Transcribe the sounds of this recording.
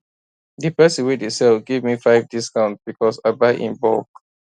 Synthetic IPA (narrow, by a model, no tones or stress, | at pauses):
dɨpɛsə̃nwidesɛlɡevmifaɪvdiskãʊ̃ntb̥ikʰɔsaɪbaɪʔḭ̃nbɔ̰k